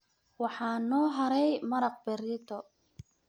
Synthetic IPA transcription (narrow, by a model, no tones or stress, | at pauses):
wɑħɑːnɔːɦɐɾɛjmɐɾɐq̚bɛɾɪt̪ʰɔ